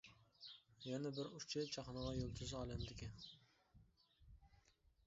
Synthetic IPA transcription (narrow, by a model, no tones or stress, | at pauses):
janabɪɾʊt͡ʃʰɪt͡ʃʰɑχnɑʁɑjolˠt̪ʰɪzɑːlˠamd̪ɪkʲʰɪn